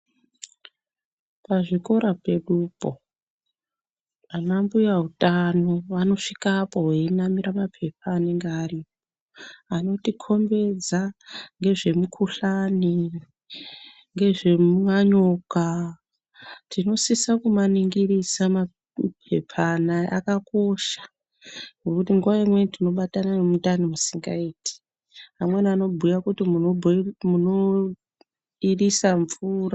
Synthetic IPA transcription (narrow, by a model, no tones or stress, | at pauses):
paʐiko̞ɾape̞ɗupo̞ | anambujaɦutʼano̞ʋano̞ʂikapo̞ɦeinamiɾamapʰe̞p̚ʰaːne̞ŋɡeariːp̚o | ano̞tikʰo̞mbe̞d͡zaŋɡe̞ʐe̞mukʰuɬani | ŋɡe̞ʐe̞muŋaɲoka | tʰino̞sisakumaniŋɡiɾisama | pʰe̞̰pʰanaʔa̰kako̞ʃḁ | ŋɡo̞kutiŋɡuʋaimwe̞tino̞ɓatananemutanimusiŋɡa̰iːtʰi̥ | amwenano̞bʱujakutimubʱmuno | irisaɱvuːra